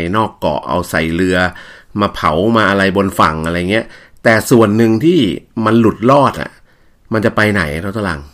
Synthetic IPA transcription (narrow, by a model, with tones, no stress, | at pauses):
jnɔː˥˩kːɔ̰˨˩ʔʔa̰˧wsa̰˨˩jlɯ˧ɐmaː˧pʰa˩˦wmaː˧ʔa˧ɾa˧jbo˧nfa˨˩ŋʔa˧ɾa˧ja˨ŋːi˦˥ɐ | t̪ɛː˨˩su˨˩ənːɯ˧ŋt̪ʰiː˥˩ma˧nlu˨˩t̪̚lɔː˥˩t̪̚a̰˨˩ | ma˧nt͡ɕa˨˩pa˧jna̰˩˦jt̪ʰa˧˩t̪ʰːla̰˧˩ŋ